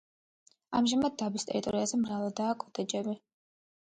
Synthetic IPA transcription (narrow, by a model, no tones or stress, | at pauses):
a̰mʒamad̪̚ːabist̪ʼɛ̰ɾit̪ʼɔɾiazɛmɾavad̪aːkʰʼɔt̪ʼɛd͡ʒɛbi